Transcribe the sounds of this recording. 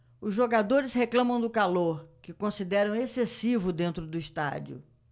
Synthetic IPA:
ʊzʒoɡad̪oɾɪsheklɐ̃mɐ̃w̃d̪ʊkaloɾkɪkõsid̪ɛɾɐ̃w̃esesivʊd̪ẽnt̪ɾʊd̪ʊist̪a̰d͡ʒiʊ̰

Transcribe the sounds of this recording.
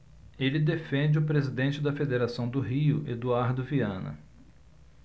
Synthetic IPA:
elɪd̪efẽnd͡ʒɪʊpɾezid̪ẽnt͡ʃɪd̪ɐfed̪eɾasɐ̃w̃d̪ʊɦiʊ̰ʔed̪uaɾd̪ʊviɐ̃nɐ̰

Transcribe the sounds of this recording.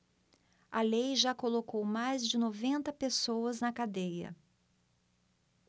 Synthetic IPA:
ɐlejʒakolokowmajzd͡ʒɪnovẽnt̪ɐpesowɐznɐkad̪ejɐ̰

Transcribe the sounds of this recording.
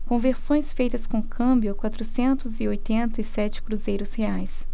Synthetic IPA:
kõveɾsõj̃sfejt̪ɐskõkʰɐ̃mbjʊkwat̪ɾʊsẽnt̪ʊziojt̪ẽnt̪ɐisɛt͡ʃɪ̥kɾuzejɾʊsheajs

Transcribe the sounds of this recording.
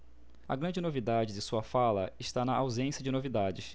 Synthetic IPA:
ɐ̰ɡɾɐ̃d͡ʒɪnovid̪ad͡ʒɪd̪ɪsuɐfalɐ̰ɪʃt̪anɐʔawzẽsjɐd͡ʒɪnovid̪ad͡ʒɪs

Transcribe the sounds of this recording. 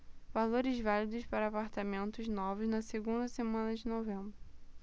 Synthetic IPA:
valoɾɪzvalid̪ʊʃpaɾɐapaɾt̪amẽnt̪ʊznɔvʊznɐseɡũnd̪ɐsemɐ̃nɐd͡ʒɪnovẽmbɾʊ

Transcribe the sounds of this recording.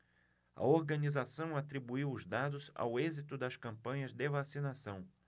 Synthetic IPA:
ɐ̰oɾɡɐnizasɐ̃w̃at̪ɾibuiwʊzd̪ad̪ʊza̰wezit̪ʊd̪ɐskɐ̃mpɐ̃ɲɐzd̪evasinasɐ̃w̃

